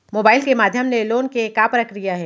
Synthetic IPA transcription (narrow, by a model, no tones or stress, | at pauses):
moːbaːɪlkemaːd̪ʱjəmneloːnkekapɾɐkɾijaɦɛː